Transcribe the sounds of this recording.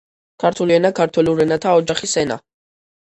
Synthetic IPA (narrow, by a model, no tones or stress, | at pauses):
kʰaɾt̪ʰuliɛnakʰaɾt̪ʰwɛluɾɛnat̪ʰaɔd͡ʒaχisɛna̰